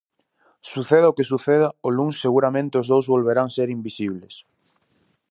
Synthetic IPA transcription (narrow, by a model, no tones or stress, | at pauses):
suθeðaokesuθeð̞aoluŋsːeɣuɾamẽnt̪eozðowzβolβeɾaŋseɾimbisiβ̞les